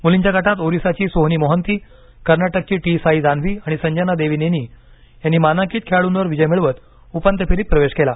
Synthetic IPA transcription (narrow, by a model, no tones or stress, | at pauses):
muliɲt͡ɕaɡaʈat̪oɾisat͡ɕiːsoɦniːmoɦənt̪iː | kəɾnaʈək̚t͡ɕiːʈisaid͡zanʋiːaɽ̃isəɲd͡ʑanad̪eʋiːneniː | janːiːmanãkiːt̪̚kʰeaɭuːnʋəɾʋid͡ʑəjmiɭʋət̪ | upant̪əpʰilip̚ːɾəʋeɕkela